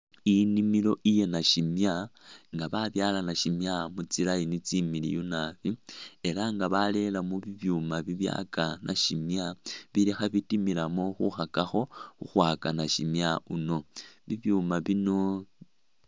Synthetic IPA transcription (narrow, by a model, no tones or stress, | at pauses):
inimilo̞ʔije̞naʃimjaŋɡaβaβjaːlanaʃimjamut͡silainit͡similḭjunaβie̞laŋɡaβale̞lamuβiβjumaβiβja̰kanʔa̰ʃimjaβilexaβitimilamo̞xuxakaxo̞xuxwaːkanaʃimjauno̞βiβjumaβino̞